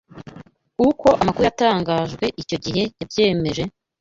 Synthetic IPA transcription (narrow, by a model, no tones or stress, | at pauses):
uko̞ʔamakuɾujataːŋɡaːʒɡwe̞ʔico̞ɟihe̞jabje̞ːme̞ʒe̞